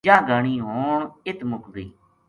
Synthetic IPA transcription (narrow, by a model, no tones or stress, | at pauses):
ãːɡəɳiːɦoːɪt̪mʊkdḭː